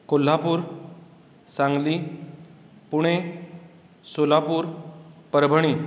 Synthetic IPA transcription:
kol̤ːapuːɾ | sãŋɡli | puɽ̃ẽ | solapuːɾpəɾbʱəɽ̃i

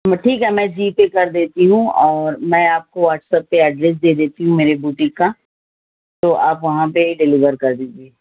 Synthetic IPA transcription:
mʈʰiːkɦɛmɛ̃ːd͡ʒiːpekɐɾd̪eːt̪iɦũɔːɾmɛ̃ːaːp̚koʋaːʈsəp̚ːeɛɖɾeːs̬d̪eːd̪eːt̪iɦũmeːɾebuːʈɪ̃ka | t̪oʔaːpʋɐɦãpeɖɪliʋəɾkɐɾd̪iːd͡ʒieː

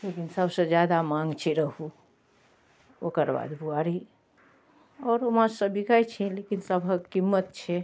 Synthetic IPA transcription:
lekinsəbsə̃d͡ʒjad̪amãŋɡt͡ʃʰɛɾəɦu | okəɾba̰d̪bʱuaɾi | ɔːɾomasəbikajt͡ʃʰɛlekinsəbʱəkimːət̪̚t͡ʃʰɛ

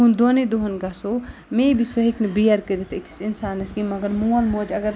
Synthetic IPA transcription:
ɦund̪oned̪uɦɐnɡasomebisoɦiknibijɐɾkəɾit̪ʰekʰi̥sinsaːnɐsɡimɐɡɐɾmuɐlmoːd͡ʒɐɡɐɾ

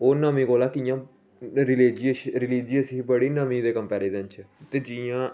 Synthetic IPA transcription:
oːnəmĩːkoːlaːkijãː | ɾɪliːd͡ʒiʃɾɪliːd͡ʒiːəsiːbəɽiːnəmĩːd̪eːkəmpɛːɾeːzənt͡ʃʰət̪eːd͡ʒijãː

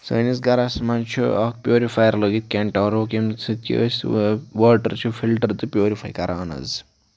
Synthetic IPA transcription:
sɐːnizɡɐɾasmant͡ʃʰuɐk̚pjoːɾifʰajɾloɡit̪̚kʲeɳʈaɾokimt͡sʰit̪ḭsʋəːʈɐɾt͡ʃʰupʰilʈɐɾt̪ɨpjoːɾipʰa̰jkɐɾʔaːnɐ̰z

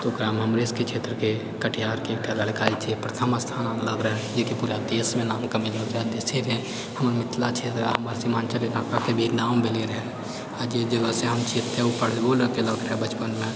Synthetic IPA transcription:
t̪oɡɾaːmɦəmɾeːsket͡ʃʰeːt̪ɾəke | kəʈʰijaːɾkeːkʈʰjalaːlkaːit͡ʃʰepɾət̪ʰəməst̪ʰaːnaləɡɾəɦɛ̃d͡ʒekipuːɾad̪eːsmẽnaːmkamɪləɡɾad̪eːseɾɦɛ̃ | hɐmɾmɪt̪ʰlat͡ʃʰeːt̪ɾ̰ɦɐmaɾsimaːnt͡ʃəlenaːkakebʱeːnaːmbʱeleɾɦɛ̃ | ad͡ʒed͡ʒəɡəseɦəmt͡ʃʰeːt̪ːeupəɽ̤ɡoləkeləɡɾəɦɛ̃bət͡ʃpənmẽ

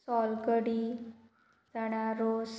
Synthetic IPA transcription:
sɔlkəɽiː | d͡zaɽ̃aɾos

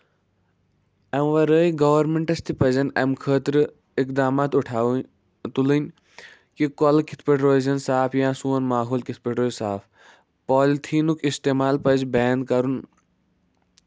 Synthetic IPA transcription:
ɐmʋɐɾəːjɡɐʋɐɾmeɳʈɐst̪ʰipɐzɐnɐmkʰəːt̪ɾɨ | ikd̪aːmaːt̪uʈʰaː | t̪ulɨnʲ | kikolkʰi̥t̪ʰpeʈɾoːzɐnsaːpʰjãːsuɐnmaːɦoːlkit̪̚ʰpeʈɾoːzsaːpʰ | pɔːlt̪ʰiːnukist̪eːmaːlpɐzbɛːnd̪̚kɐɾun

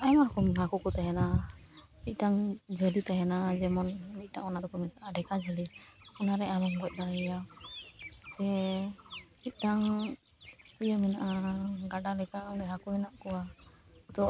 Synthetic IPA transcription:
ajmaɾkɔmɦakɔkɔt̪ajana | mic̪̚ˀʈaŋd͡ʒɔlit̪ajanad͡ʒɛmɔnmit̪̚ˀʈaŋɔnad̪ɔkɔminaʔaɖɛkad͡ʒəliɔnaɾɛamɔŋbɔt̪̚ˀd̪aɾaja | sɛ | mit̪̚ˀʈaŋ | pijəminaʔaɡaɖalɛkadɛɦakuɛnaʔkɔwat̪ɔ

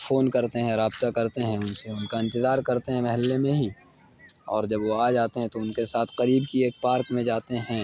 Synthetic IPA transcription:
foːnkɐɾt̪eɦɛ̃ɾaːbt̪akɐɾt̪eɦɛ̃ʊnseʊnkaɪ̃nt̪ɪzaːɾkɐɾt̪eɦɛ̃mɐɦɛlːemẽɦi | ɔːɾd͡ʒɐbʋoaːd͡ʒaːt̪eɦɛ̃t̪oʊnkesaːt̪ʰqɐɾiːbkieːk̚paːɾkmẽd͡ʒaːt̪eɦɛ̃ː

